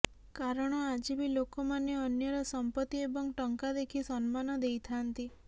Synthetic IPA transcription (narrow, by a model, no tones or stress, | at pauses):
kaɾɔɽ̃ɔad͡ʒibilokomaneɔnjɔɾɔsɔmpət̪ːiebɔŋʈəŋkad̪ekʰisɔnmanɔd̪ejt̪ʰant̪i